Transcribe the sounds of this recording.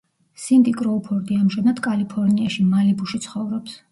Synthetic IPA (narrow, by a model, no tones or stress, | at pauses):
sint̪ʼikʼɾɔːpʰɔɾd̪iamʒanad̪kʼalipʰɔɾniaʃimalibuʃit̪sʰχɔvɾɔps